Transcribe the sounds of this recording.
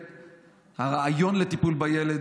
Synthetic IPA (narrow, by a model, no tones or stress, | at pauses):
haʁaajo̞nlet̪ipulbajeled̪